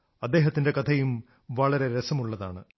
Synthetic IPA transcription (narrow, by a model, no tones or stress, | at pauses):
ɐd̪ːe̞ːɦɐt̪ːinde̞kɐt̪ʰɐjum | ʋɐɭɐɾe̞ɾesɐmuɭːɐða̰ːɳɨ